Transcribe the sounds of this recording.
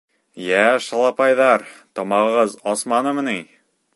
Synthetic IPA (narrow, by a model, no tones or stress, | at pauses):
jæʃɑlˠɑpɑjðɑɾt̪ɒmɑʁɤ̆ʁɤzɒsmɑnɤmɤ̆niŋ